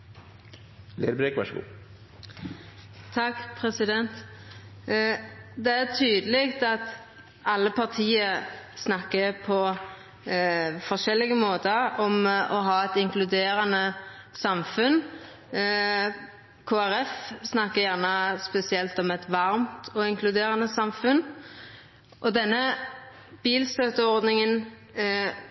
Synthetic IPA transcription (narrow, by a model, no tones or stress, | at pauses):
lḛːd̪əbɾeːkʋɑ̰ʂəɡṵː | t̪ʰɑkːpʰʁɛsɪd̪ɛnt̪ | d̪ɛæʁt̪ʰyːd̪əleːɡt̪ɑt̪ | ɑlːəpʰɑʁt̪ʰiːəsnɑkːəpʰɔ | fɔʂɛlːɪɡəmoːt̪əɾɔmɔɦɑːɛt̪ɪŋklʉd̪eːɾɑnə | sɑmfʉn | kʰoːæɾɛfsnɑkːəjæʁnəspɛsɪɛlt̪ɔmɛt̪ʋɑɾmt̪ʰɔɪŋklʉd̪eːɾɑnəsɑmfʉn | ʔɔd̪ɛnːə | b̥iːlst̪øːt̪əɔɾd̪nɪŋən